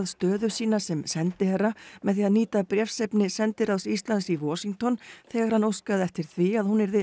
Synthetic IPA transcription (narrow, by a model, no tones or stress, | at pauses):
ðst̪œːðʏsiːnasɛmsɛnt̪ɪhɛrːamɛðθiːaðniːt̪apɾjɛfsɛpnɪsɛnt̪ɪɾawsist̪lansivɔːsiŋt̪ɔnθɛːɣaɾ̥hanːowskaðɛft̪ɪɾ̥θviaðhunɛɾðɪ